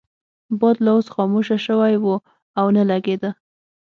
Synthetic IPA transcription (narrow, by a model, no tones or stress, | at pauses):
bɑd̪laosxɑmuʃaʃəwajwu | awnalaɡed̪ə